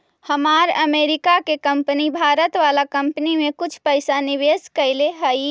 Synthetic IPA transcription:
həmaɾəmeɾikakekəmpənibʱaɾət̪ʋalakəmpənimẽkʊt͡ʃʰpəɪsaniʋeskəɪleɦəj

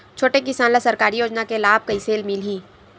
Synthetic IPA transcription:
t͡ʃʰoːʈekɪsaːnlasɐɾkaːɾijoːd͡ʒnakelaːb̚kɐiseːlmɪlɦiː

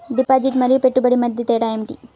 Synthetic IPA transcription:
ɖipaːd͡ʒiʈmɐɾipeʈːubɐɽimɐd̪ʱjɐt̪eːɽaːemʈi

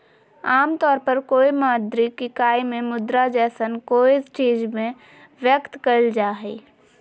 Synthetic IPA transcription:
aːmt̪ɔːɾpəɾkoːimaːd̪ɾikikaːimẽmʊd̪ɾad͡ʒɛːsənkoːisʈeːd͡ʒmẽ | ʋjəkt̪kəld͡ʒaːɦḭː

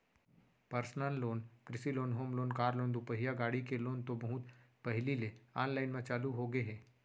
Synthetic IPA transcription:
pɐɾsnalloːnkɾɪsiloːnɦoːmloːnkaːɾloːnd̪upəɦijaɡaːɽikeloːnt̪obɐɦʊt̪pɐɦlileaːnlaːɪnmẽt͡ʃaːluɦoɡeɦɛː

